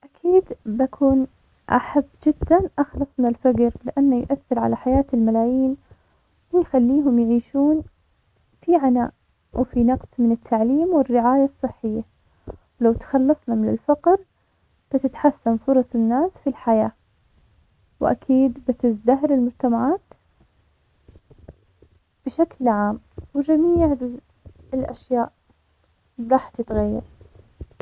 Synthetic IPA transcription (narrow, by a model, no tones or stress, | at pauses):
ʔakʰiːd̪bakʰuːn | ʔa̰ħabːd͡ʒɪd̪ːanʔaxlɑsˤnalfad͡ʒɾlɪʔanːajʔaθːɪɾʕa̰laħajaːt̪ɪlmalaːjiːn | wɪjxalːiːɦʊmjʕiːʃuːn | fiʕana̰ːʔ | wfinɑqsˤmɪnɪt̪ʰːaʕliːmwɪrːɪʕaːjasˤːɨħːɪjːa | wlawt̪xɑlːɑsˤnɑmɪnɪlfɑqɾ | b̥ɪt̪ɪt̪ħasːanfʊɾˤɑsˤɪnːaːsfilħajaː | wʔa̰kʰiːd̪bɪt̪ɪzd̪aɦɾɪlmʊd͡ʒt̪amaʕaːt̪ | b̥ɪʃaklʕaːm | wɪd͡ʒamiːʕ | ɪlʔa̰ʃjaːʔ | ɾˤɑːħt̪ɪt̪ɣajːɪ̰ɾ